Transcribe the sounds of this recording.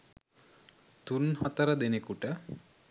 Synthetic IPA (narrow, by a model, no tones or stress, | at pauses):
t̪unhɔt̪ɐɾɐd̪enekuʈə